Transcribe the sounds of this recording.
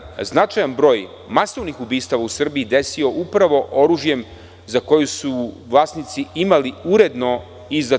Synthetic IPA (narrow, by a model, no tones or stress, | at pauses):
znat͡ʃajanbɾo̞ːj | maso̞ʋnixubiːst̪aʋausr̩biid̪e̞sio̞ʔupɾaʋo̞ʔo̞ɾuʒje̞m | zako̞jusuʋlˠaːsnit̪siimaliuɾe̞d̪no̞ | iza